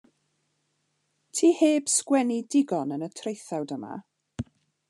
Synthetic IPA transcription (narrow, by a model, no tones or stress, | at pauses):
tʰiːheːb̥skwɛnidɪɡɔnənətʰrejθawdəma̰